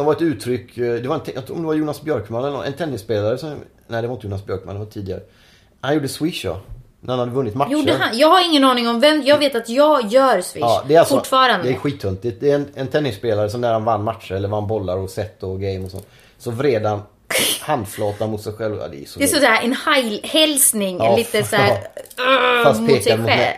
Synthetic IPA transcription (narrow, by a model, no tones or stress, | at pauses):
sɔmvaɾɛt̪ʉ̟ːt̪ʰɾʏkːd̪ɛvaɾɛnt̪jɑt̪ʰɾuːɾɔmd̪ɛvaɾjuːnasbjœɾkmanɛlɔ̰nɛ̰nt̪ʰɛnːɪspeːlaɾəsɔmnæɪd̪ɛvɾɪnt̪əjuːnasbjœɾk̚ma̰nd̪ɛvaʈʰiːd̪ɪɡaɾə | hanjuːɖəswɪʂjɔ̰ | næ̰ɾhanhad̪ːəvɵnːɪt̪majuʃːɖəanjɑːɡhaɾɪŋːənɑːnɪŋɔmvɛmjɑːɡveːt̪at̪jɑːɡjœːɾsvɪ̰ːd̪ɛɾalsɔʊʈːfɑːɾand̪ɪɧiːt̪ʰːɵnt̪ɪt̪̚d̪ɛɛnɛnt̪ʰɛnːɪspeːlaɾəsɔmnæɾhanvanːmat̪ʂəɾɛlːəɾvanːbɔlːaɾɔsɛt̪ːɔɡɛɪmɔsɔ̰nː | sɔvɾeːd̪han | hand̪flɑːt̪anmʊt̪sɛjɧɛlvɑ̰d̪ɛ̰sɔɛsɔd̪æːɾʔɛnhajlhɛlsnɪŋɛliːt̪əsæːɾ | at̪mpʰeːksɛaɧʊɛɛ